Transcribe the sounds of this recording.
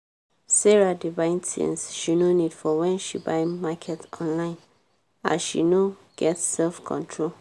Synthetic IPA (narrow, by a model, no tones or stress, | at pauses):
sɛɹadivãɪ̃ntḭ̃nsʃinonidfɔwɛ̃nʃibaɪmakʰɛtʰɔ̃nlãɪ̃n | a̰ʃḭnoɡ̥ɛtsɛlfkʰɔ̰̃ntʰɹol